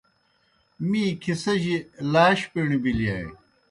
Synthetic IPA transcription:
mĩːkʰisɐʑilaːɕpeɳibiliaːḭ

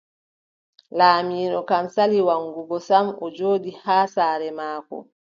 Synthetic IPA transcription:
laːmiːɗɔkamsaliwaŋɡuɡɔsamɔd͡ʒoːdihaːsaːɾɛmaːkɔ̰

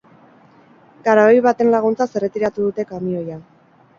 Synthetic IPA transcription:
kaɾaojβat̪e̞nlaɣ̞unt͡sase̞ret̪iɾat̪uðut̪e̞kamio̞ja

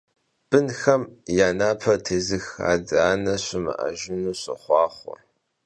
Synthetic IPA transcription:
b̥ɨnxɐmjaːnaːpʰɐtʰeːzɨxa̰ːdaːnɐɕɪmɨ̰ʔɐ̰ʒɪnuːɕɪ̰χʷɑːχʷɔ̰

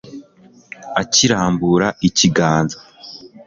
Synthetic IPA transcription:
aciɾaːmbuɾaiciɡaːnza

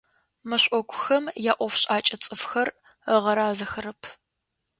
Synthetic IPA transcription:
mɨɕʷʼɔkʷʰʊxɐmjaːʔʷɔfɕʼaːt͡ʃʼɐt͡sʼɨfxɐr | əʁɐɾaːzɐxɐɾɐpʰ

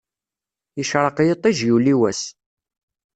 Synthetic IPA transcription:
jəʃɾˤəqjət̪ˤːiʒjuliwæs

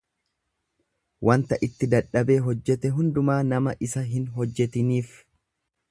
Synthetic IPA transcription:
wʔɐnt̪ɐʔɪt̪ːɪd̪ɐᶑːɐbe̞ːɦɔd͡ʒːɛt̪ɛɦʊnd̪ʊmaːnɐmɐʔɪsɐɦɪnɦɔd͡ʒːɛt̪ɪniːf

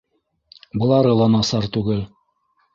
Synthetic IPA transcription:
bɤ̆lˠɑɾɤlˠɑnɑsɑɾt̪ʉɡɘl

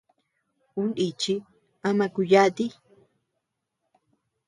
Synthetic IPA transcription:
unit͡ʃi | amakʊjat̪i

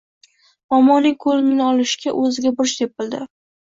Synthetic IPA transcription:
ɒmɒnːɪŋkʰolɪnɪnɪɒlɪʃɡʲaʔɵzɪɡʲabʊɾʃd̪ep̚ɪld̪ɪ

